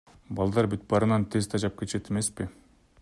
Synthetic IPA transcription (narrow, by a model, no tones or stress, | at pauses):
bɑlˠd̪ɑɾbit̪̚bɑɾɯnɑnt̪ʰe̞zt̪ʰɑd͡ʒɑp̚kʲet͡ʃe̞t̪eme̞spɪ